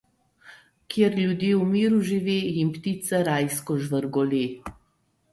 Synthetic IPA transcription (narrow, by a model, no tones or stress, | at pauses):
kjeɾlʲjud̪jeːwmiːɾuʒiʋeːjimpt̪it̪sɛɾajskɔʒʋəɾɡɔleː